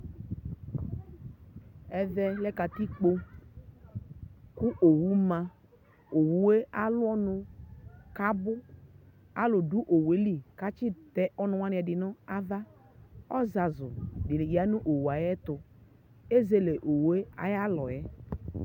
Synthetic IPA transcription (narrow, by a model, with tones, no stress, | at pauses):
ɛ˦vɛ˦lɛ˦ka˨ti˦k͡po˦ | ku˦ʔo˨wu˦mã˧ | o˨wu˦we˦a˦lʊ˦ɔ˦nʊ˧ka˦bʊ˦ | a̰˦lʊ˨du˦ʔo˨we˨˦li˦˨ka˦t͡ʃɪ˦tɛ˦ʔɔ˦nʊ˦wa˦n˦ɛ˨dɪ˨nɔ˦a˦va˦ | ɔ˦za˨zʊ̰˨dɪ˨ja˨˦nũ˦ʔo˨wu˨a˨jɛ˦tʊ˨ | e˦ze˦le˨ʔo˨wu˨˦e˦a̰˨ja˦lɔ˨jɛ˦